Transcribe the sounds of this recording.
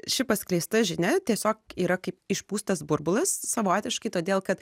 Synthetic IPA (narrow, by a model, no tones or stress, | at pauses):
ʃʲɪpɐsʲklʲɛɪst̪ɐʒʲɪnʲɛt̪ʲiɛsʲoːkiːɾɐkɐɪpɪʃpuːst̪ɐsbʊɾbʊlˠɐssɐʋoːt̪ʲɪʃkɐɪt̪oːd̪ʲeːlˠkɐt̪